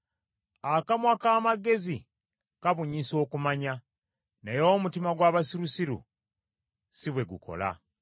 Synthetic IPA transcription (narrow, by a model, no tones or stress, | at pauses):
akamwakaːmaɡe̞zi | kaβuɲiso̞ːkumaɲa | nejomutimaɡwaːβasiɾusiɾṵ | siβwe̞ɡṵkʰo̞̰la̰